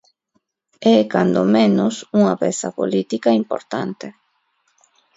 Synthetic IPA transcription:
ɛkand̪omẽnosuŋapesa̰polit̪ikaimpo̰ɾt̪a̰nt̪e

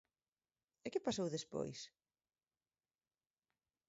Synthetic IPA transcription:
ɪkɪpasowðespo̰js

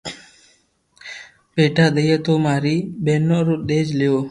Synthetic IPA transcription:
peːʈaːɗ̪əjeːt̪oːmaːɾiːɓeːnːoːɾoːɗ̪eːd͡ʒlɪjoː

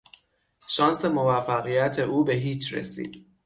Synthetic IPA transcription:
ʃɒːnse̞mo̞væfːæɣijæt̪ʰe̞ʔuːbe̞ɦiːt͡ʃʰɾḛsḭːd̪̥

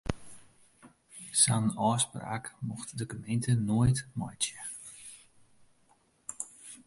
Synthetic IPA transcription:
sanɔːspra̰ːkmuxtdəkəmentənoətmɔ̰jtjə

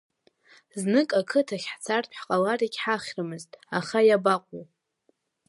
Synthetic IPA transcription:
znɨkʼakʰɨtʰaχʲħt͡sʰartʰħqʼalariɡʲħaχʲrɨmɨztʼaχajabaqʷʼow

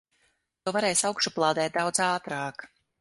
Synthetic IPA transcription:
t̪uɔvaɾɛjsawkʃɔplˠɑːd̪ɛːt̪̚d̪awd̪zaːt̪ɾɑːk

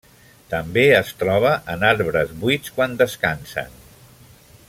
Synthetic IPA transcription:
t̪əmbeəst̪ɾɔβ̞əʔənaɾβɾəzβit͡skwand̪əskansə̰n

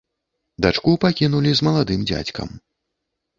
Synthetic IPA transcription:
d̪at͡ʂkupakʲinulʲizmɐlˠad̪ɨmd͡zʲa̰t͡sʲkɐ̰m

